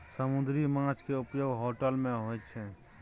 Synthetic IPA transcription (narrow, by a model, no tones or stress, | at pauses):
səmʊ̃nd̪ɾimãːt͡ʃkeʊpjoːɡɦoːʈəlmẽɦoːjt͡ʃʰɛ